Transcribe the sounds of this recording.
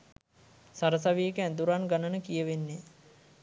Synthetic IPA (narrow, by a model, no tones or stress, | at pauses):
saɾəs̬aʋiekænd̪uɾanɡanənəkijəʋenːe